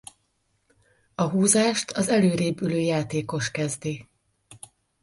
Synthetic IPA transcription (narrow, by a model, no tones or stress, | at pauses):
ɒɦuːzaːʃt̪ʰɒzɛløːɾeːbyløːjaːt̪eːko̞ʃkɛzd̪i